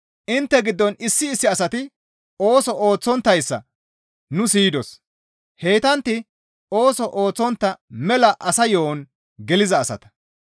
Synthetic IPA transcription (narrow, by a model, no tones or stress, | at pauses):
ʔɪnt̪ːɛɡɪd̪ːɔnɪsːɪːsːɪɐsɐt̪ɪ | o̞ːsɔʔoːt͡sːɔnt̪ːɐjsːɐ̰ | nʊsiːd̪ɔs | he̞ːjt̪ɐnt̪ːɪ | oːsɔʔoːt͡sːɔnt̪ːɐmɛlɐʔɐsɐjoːn | ɡɛlɪzɐːsɐ̰t̪ɐ̥